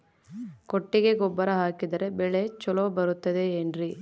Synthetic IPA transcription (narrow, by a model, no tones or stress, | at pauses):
koʈːiɡe̞ɡɔbːɐɾɐɦaːkid̪ɐɾe̞bɛɭet͡ʃɔlobɐɾut̪ːɐd̪e̞ːnɾi